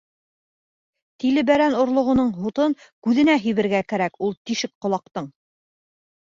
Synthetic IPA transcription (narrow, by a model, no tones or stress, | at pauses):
t̪ilɘbæɾænŏɾlˠŏʁŏnɤɴɦut̪ɤnkʉðɘ̆næɦɵ̆jβɘ̆ɾɡækæɾækulˠt̪iʃɘk̚qŏlˠɑq̚t̪ɤɴ